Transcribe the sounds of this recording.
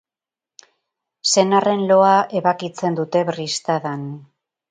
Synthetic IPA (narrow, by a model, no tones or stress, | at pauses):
se̞nare̞nlo̞ae̞βakit͡se̞nd̪ut̪e̞βrist̪aðan